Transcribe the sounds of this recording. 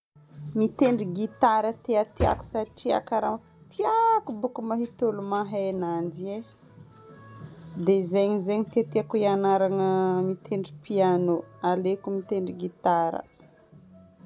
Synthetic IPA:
mit̪eɳɖ͡ʐiɡit̪aɾət̪eat̪ia̰ku̥saʈ͡ʂia̰kaɾam | t̪iakubukumaɦit̪olumaɦeenand̪ie | d̪ezeɲizeɲit̪et̪eakuianaɾaŋəmit̪ʰeɳɖ͡ʐipianoalekumit̪eɳɖ͡ʐiɡit̪aɾə̰

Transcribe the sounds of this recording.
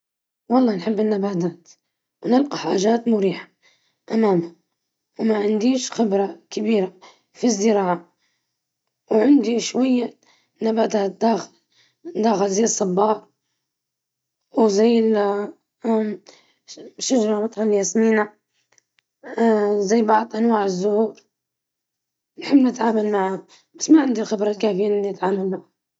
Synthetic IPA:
wɑlˤːɑːnħɪbːɪnːabaːt̪aːt̪ | wnɪlqɑħaːʒaːt̪mʊɾiːħḁ | ʔamaːmha | wmaʕɪnd̪iːʃxɪbɾˤakɪbiːɾa | fizːɪɾɑːʕa | wʕɪnd̪iʃwajːa | nabaːt̪aːt̪̚d̪aːxl | d̪aːxɪlzajːsˤːɑbːɑːɾ | wzajːɪl | ʃaʒɾˤɑmɑt̪ˤħanljasmiːna | zajːbɑʕd̪ˤʔanwaːʕɪzːʊhuːɾ | nħɪbːnɪt̪ʕaːmalmaʕa | basːmaʕɪnd̪ilxɪbɾˤɑlkaːfɪjːanɪnːiɪt̪ʕaːmalmaʕa

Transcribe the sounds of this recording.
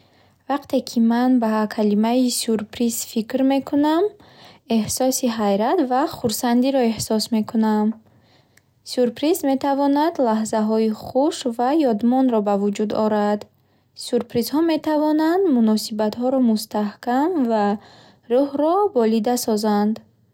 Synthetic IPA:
vaqt̪ʰe̞kʰimanbakʰalimaisuɾpʰɾizfikɾme̞kʰuname̞hsɔsiɦajɾat̪vaχuɾsand̪iɾɔe̞hsɔsmekʰunam | suɾpʰɾizme̞t̪ʰavɔnad̪laɦzaɦɔiχuʃvajɔd̪mɔnɾɔbavud͡ʒud̪ɔɾad̪ | suɾpɾizhɔme̞t̪ʰavɔnand̪munɔsibat̪ɦɔɾɔmust̪ahkamva | ɾuhɾɔbɔlid̪asɔzand̪

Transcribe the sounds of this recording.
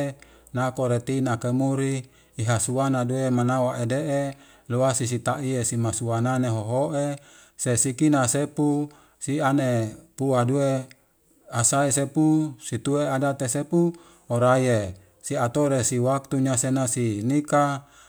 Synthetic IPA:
nakoɾet̪inakemuɾiː | ɦasuanaduemanawaʔedeʔe | luasis̬it̪aʔiesimasuananeɦoɦoʔe | sesikinasepu | sianepuadue | asaesepusit̪ueadat̪esepu | oɾaje | siat̪oɾesiwak̚t̪uɲasenasinika

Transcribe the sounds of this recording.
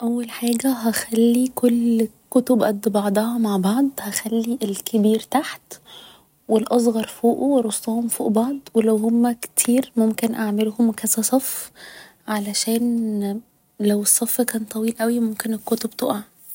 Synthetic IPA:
ʔæwːælħaːɡæɦæxælːikʰolkːot̪obʔæd̪ːbɑʕd̪ˤɑhɑmaʕbɑʕd̪ˤhæxælːiʔelkʰebiːɾt̪aħt̪ | welʔɑs̬ˤɣɑɾˤfoːʔoweɾˤost̪ˤɑhomfoːʔbɑʕd̪ˤwelæwɦomːækt̪ʰiːɾmomkenʔaʕmelhomkæsæsˤɑf | ʕalæʃæːn | læwesˤːɑfːkæːnt̪ˤɑwiːlʔæwimomkenekːot̪obt̪oʔaʕ

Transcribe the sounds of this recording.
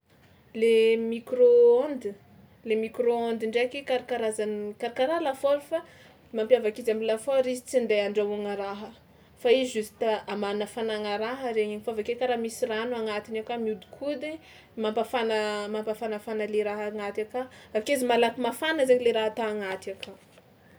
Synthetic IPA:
lemikroond̪i | lemikroond̪iɳɖ͡ʐekekaɾakaɾazankaɾakaɾaɦlafolufa | mampjavakizamilafoɾizi̥t͡sind̪eaɳɖ͡ʐauŋəɾaɦə | faiʒusi̥t̪aamanəfanaŋaɾaɦəɾeɲeɲifavakekaɾamisiranuaŋat̪inewkamiud̪i̥kʰud̪i | mampafanəmampafanafanəleɾaɦaŋat̪akaakezimalakimafanəzeɲileɾaɦat̪aaŋat̪iaka

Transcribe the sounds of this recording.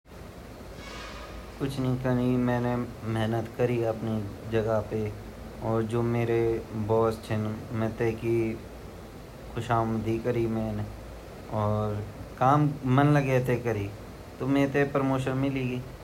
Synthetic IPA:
kʊt͡ʃʰnəĩkənimɛ̃ːnemɛɦnət̪kɐɾiɐpnid͡ʒɐɡape | ɔːɾd͡ʒoːmeːɾebɔːst͡ʃʰɪnmɛ̃t̪eki | xʰʊʃaːmd̪ʱikɐɾimɛ̃ːne | ɔːɾkaːmːɐnlɐɡɛːt̪ekɐɾi | t̪omẽːt̪epɾəmoːʃənmɪliɡi

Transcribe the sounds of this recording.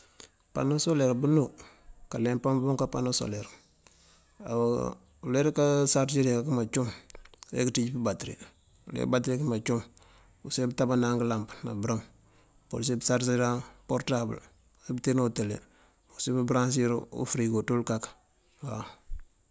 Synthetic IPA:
pa̰nosoleɾbunu | kalempambuŋkapa̰noso̰leɾ | a | uleɾkasaɾt͡ʃiɾekakimat͡ʃumḛkitiɟipibatɾḭ | ulḛbatɾikimat͡ʃum | usebitabanaŋɡəlampna̰bɾam | ko̰sebsaɾsiɾapoɾtabə̰l | ebtenotelḛ | osibibɾans̬iɾ̰ṵfɾiɡotulkak | wa̰

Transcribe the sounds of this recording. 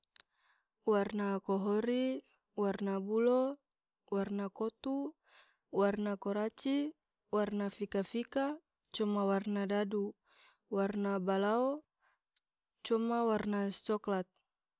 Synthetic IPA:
warnakɔɦɔɾi | warnabulɔ | warnakot̪u | warnakɔɾat͡ʃi | warnafikafika | t͡ʃɔmawarnadadu | warnabalao | t͡ʃumawarnat͡ʃɔklat̪̚

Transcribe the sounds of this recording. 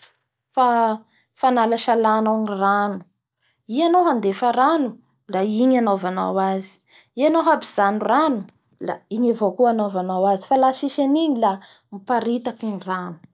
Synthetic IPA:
fa | fanalaʃalanoniranu̥ | ianowɦand̪efaɾanu | laiɲanovana̰wazi̥ | ianowɦapiz̥anuranu̥ | la̰iɲavokuanovanawazifalaʃiʃaniɲila | mipaɾit̪akiniranu̥

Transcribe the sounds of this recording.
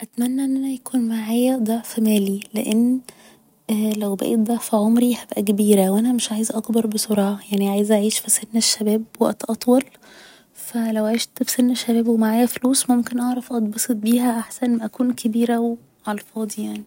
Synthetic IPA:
ʔæt̪mænːæʔenːʔænæjækuːnmaʕaːjæd̪ˤɑʕfimæːlileʔenː | ʔlæwbæ̰ʔet̪̚d̪ˤɑʕfiʕomɾihæbʔækæbiːɾæwʔænæmeʃʕaːjezʔɑkbɑɾˤbesˤoɾˤɑːʕɑjaʕniʕaːjezʔaʕiːʃfisenːeʃːæbæːbwæ̰ʔt̪ʔɑt̪ˤwɑl | fælæwʕeʃt̪fi̥senːeʃːæbæːbwemaʕaːjæfluːsmomkenʔɑʕɾˤɑfʔɑd̪ˤbesˤet̪̚biːɦæʔaħsænʔʔækuːnkʰebiːɾæwe | ʕɑlfɑːd̪ˤijaʕni

